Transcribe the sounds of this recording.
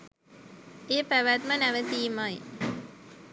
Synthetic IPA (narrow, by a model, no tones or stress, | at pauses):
eːpæʋæt̪mənæʋət̪iːmaj